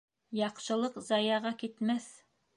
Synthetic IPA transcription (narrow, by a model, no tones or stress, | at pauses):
jɑqʃɤ̆lˠɤqzɑjɑʁɑkit̪mæθ